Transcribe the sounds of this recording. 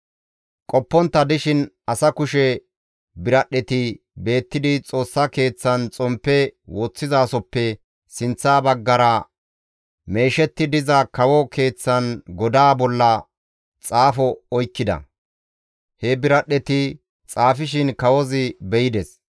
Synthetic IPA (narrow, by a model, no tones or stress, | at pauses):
kʼɔpːɔnt̪ːɐd̪ɪʃɪn | ɐsɐkʊʃɛ | bɪɾɐɗːɛt̪ɪ | be̞ːt̪ːɪd̪ɪt͡sʼo̞ːsːɐke̞ːt͡sːɐnt͡sʼɔmpːɛwoːt͡sːɪzaːsɔpːɛ | sɪnt͡sːaːbɐɡːɐɾɐ | me̞ːʃɛt̪ːɪd̪ɪzɐkɐwɔkʰe̞ːt͡sːɐnɡɔd̪aːbɔlːɐ | t͡sʼaːfɔɔjkːɪd̪ɐ̰ | hɛbɪɾɐɗːɛt̪ɪ | t͡sʼaːfɪʃɪnkɐwɔzɪbɛjɪd̪ɛs